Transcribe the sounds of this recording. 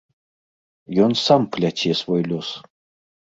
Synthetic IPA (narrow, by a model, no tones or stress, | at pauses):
jonsɑmplʲat͡ɕʲesβojlʲos